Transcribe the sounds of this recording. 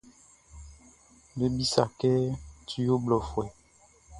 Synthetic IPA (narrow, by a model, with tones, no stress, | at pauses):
be˦bi˦sa˨kɛ˦tu˦jo˦blɔ˨fwɛ˨